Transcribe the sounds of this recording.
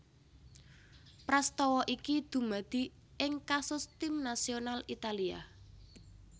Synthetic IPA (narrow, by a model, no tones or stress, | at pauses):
pɾast̪ɔwɔʔikid̪̥ṳmad̪̥i̤ | ʔɪŋkasʊst̪imnasionalit̪alia̰